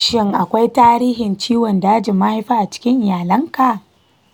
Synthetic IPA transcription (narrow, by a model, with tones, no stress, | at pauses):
ʃɪ˦˨ŋʔa˨kʷa˦jtaː˦ɾiː˦ɦɪ˨nt͡ʃiː˦wɔ˨nda˨a˦d͡ʒɪ˨mːa˦ha˦jɸaː˦ʔa˨t͡ʃɪ̥˦kʲɪ˦ŋʔɪ˨jaː˨lɐ˦ŋka˨ʔ